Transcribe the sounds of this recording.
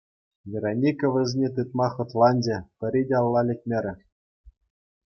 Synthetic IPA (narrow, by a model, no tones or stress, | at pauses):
vʲeɾonʲikʲŏʋʲɘ̆zʲnʲet̪ɯt̪̚mɑχɤ̆t̪lˠɑnʲd͡ʑĕpʲɘ̆ɾʲidʲeɑlˠːɑlʲɘ̆t̚ʲmʲĕɾʲɘ̆